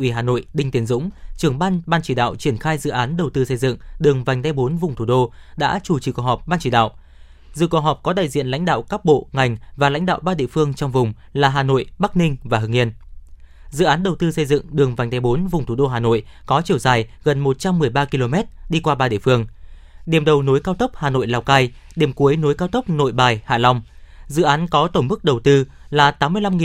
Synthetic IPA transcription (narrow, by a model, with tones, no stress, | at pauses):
ʔwi˧˩ɦaː˨˩no̰˧˨jɗï˧ŋ̟t̪i˨˦ənzʊ̰˧˥ŋ͡mt͡ɕɨ˨˩əŋɓaː˧nɓaː˧nt͡ɕi˧˩ɗa̰ː˧˨wt͡ɕi˧˩ənxaː˧jzɨ̰˧˨ʔaː˨˦nɗə˨˩wt̪ɨ˧sə˧jzɨ̰˧˨ŋɗɨ˨˩əŋva˨˩jŋ̟t̪a˨˧˦jɓo˨˦nvʊ˨˩ŋ͡mt̪ʰu˧˩ɗo˧ɗa̰ː˧˥t͡ɕu˧˩t͡ɕi˨˩ku˨˩hɔ˨˩p̚ɓaː˧nt͡ɕi˧˩ɗa̰ː˧˨wʔ | zɨ̰˧˨kə˨˩ɦɔ˨˩p̚kɔ˨˦ɗ̪a̰ː˧˨jzḭ˧˨ənla̰˧˥ŋ̟ɗa̰ː˧˨wkaː˦˥k̚ɓo̰˧˨ŋa˨˩jŋ̟vaː˨˩la̰˧˥ŋ̟ɗa̰ː˧˨wɓaː˧ɗḭ˧ə˨fɨ˧əŋt͡ɕɔ˧wŋ͡mvʊ˨˩ŋ͡mlaː˨˩ɦaː˨˩no̰˧˨jɓa˦˥k̚nï˧ŋ̟vaː˨˩ɦɨ˨˩ŋʔi˧ən | zɨ̰˧˨ʔaː˨˦nɗə˨˩wt̪ɨ˧sə˧jzɨ̰˧˨ŋɗɨ˨˩əŋva˨˩jŋt̪ʰa˨˦jɓo˨˦nvʊ˨˩ŋ͡mt̪u˧˩ɗo˧ɦaː˨˩no̰˧˨j | kɔ˨˦t͡ɕi˧˩əwzaː˨˩jɣə˨˩nmo˨˩t̚t͡ɕa˧mːɨ˨˩əjɓaː˧ki˧lo˧mɛ˦˥t̚ɗi˧kwaː˧ɓaː˧ɗḭ˧˨fɨ˧əŋ | ɗi˨˩əmɗə˨˩wno˨˦jkaː˧wt̪ə˦˥p̚haː˨˩no̰˧˨jlaː˧˩wkaː˧j | ɗi˨˩əmku˨˦əjno˨˦jkaː˧wt̪ə˦˥p̚no̰˧˨jɓaː˨˩jha̰ː˧˩lɔ˧wŋ͡mzɨ̰˧˨ʔaː˨˦nkɔ˨˦t̪o˧˩ŋ͡mmɨ˦˥k̚ɗə˨˩wt̪ɨ˧ | laː˨˩t̪aː˨˦mːɨ˧əjla˧mŋi˨